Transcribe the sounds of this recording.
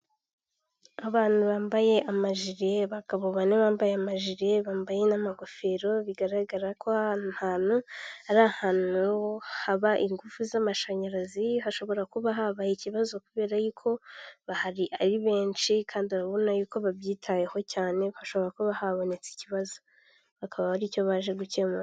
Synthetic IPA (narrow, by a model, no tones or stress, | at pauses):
aβaːn̥huβaːmbaje̞ʔamaʒiɾeβakaβoβaneβaːmbajeamaʒiɾe̞βaːmbaje̞namaɡofe̞ɾo̞βiɡaɾaɡaɾakʰoḁhaːn̥uaɾaːhaːn̥uhaβaʔiŋɡufuzamaʃaɲaɾaziɦaʃo̞βo̞ɾakuβaɦaβaiciβazo̞kuβe̞ːɾajuːkʰo̞βahaɾiʔaɾiβe̞ːnʃikʰaːndiaɾaβo̞najuːko̞βaβjiːtʰajeho̞caːne̞haʃo̞βo̞ɾakuβahaβonet͡si̥ciβazo | βakʰaβaβaɾiːco̞βaʒe̞ɡucema